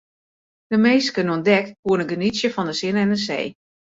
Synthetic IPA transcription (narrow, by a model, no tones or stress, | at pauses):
d̥əmeːskənənɔndɛktkuənəɡənisjəfɔndəsɪnɛndəsḛː